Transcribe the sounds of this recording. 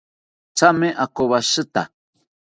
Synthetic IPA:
t͡sameʔakoβaʃɨt̪a̰

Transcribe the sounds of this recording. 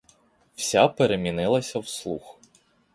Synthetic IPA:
wsʲapeɾemʲinɪlˠɐsʲɐwslˠṵx

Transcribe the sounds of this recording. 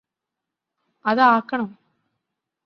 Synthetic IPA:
ɐðɐaːkːɐɳɐm

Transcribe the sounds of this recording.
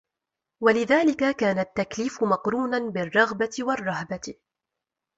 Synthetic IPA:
walɪðaːlɪkakaːnat̪ːakliːfʊmɑqɾuːnanbɪrˤːɑɣbaɪwɑrˤːɑɦba

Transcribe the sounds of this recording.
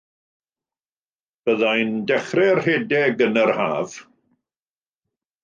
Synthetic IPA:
b̥əðajndɛχrɛrheːdɛɡənərha̰ːv̥

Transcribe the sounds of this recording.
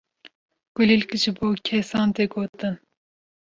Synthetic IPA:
ɡ̥ʊlilkɨʒɨboːkʰɛsɑːnt̪eɡoːt̪ɨn

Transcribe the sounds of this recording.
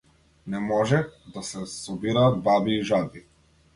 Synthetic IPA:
nɛmɔʒɛd̪asɛsɔbiɾaːd̪babiːʒabi

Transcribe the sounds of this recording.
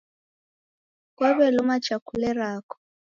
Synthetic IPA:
kwaβɛlʊmat͡ʃakʰulɛɾaːkɔ̥

